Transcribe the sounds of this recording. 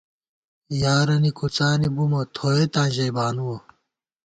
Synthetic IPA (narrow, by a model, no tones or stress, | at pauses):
jaːɾɐnikut͡saːnibumɐt̪ʰoːjet̪ãːnʑɐjbaːnuwɐ